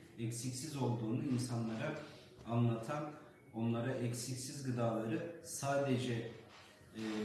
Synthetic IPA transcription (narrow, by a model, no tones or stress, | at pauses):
ɛcsicsizo̞lˠd̪uːnuinsanlˠaɾa | anlˠat̪ʰan | o̞nlˠaɾaʔɛcsicsizɡɯd̪aːlˠaɾɯsaːd̪ed͡ʒɛ